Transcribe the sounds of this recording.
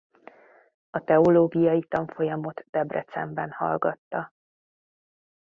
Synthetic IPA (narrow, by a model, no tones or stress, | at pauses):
ɒt̪ɛoloːɡijɒjit̪ɒɱfo̞jɒmo̞t̪d̪̥ɛbrɛ̰t̪sɛmbɛnhɒ̰lɡɒt̪ːɒ